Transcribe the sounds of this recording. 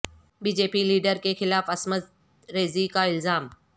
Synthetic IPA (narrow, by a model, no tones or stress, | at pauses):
biːd͡ʒeːpiliːɖəɾkexɪlaːfɐsməz | ɾeːzikaɪlzaːm